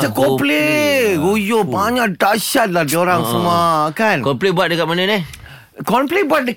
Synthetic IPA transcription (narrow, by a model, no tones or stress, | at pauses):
akɔpleɡujopaɲadaʃat̪̚lahdioɾaŋsəmakankɔmplibuat̪̚dəkat̪̚mənəni | kɔmplibuat̪̚də